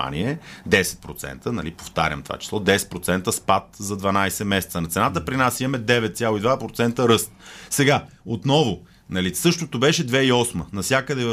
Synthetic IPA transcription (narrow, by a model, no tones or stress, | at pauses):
a̰niɛd̪ɛsɛ̥t̪̚pɾot̪sɛ̰nt̪ənɐ̰lipo̥ft̪a̰ɾʲə̰mt̪ova̰t͡ʃi̥slˠɔd̪ɛsɛ̥t̪̚pɾot̪sɛnt̪əspat̪zɐd̪vɐnajsɛmɛsɛ̥t̪sənɐt̪sɛnat̪əpɾinasimɐmɛd̪ɛvɛt̪t̪sʲjalˠʊid̪vapɾot̪sɛnt̪əɾɤst̪sɛɡa | ot̪nɔvo | nɐlisɤʃt̪ot̪obɛʃɛd̪vɛiɔsmənɐfsʲakəd̪ɛ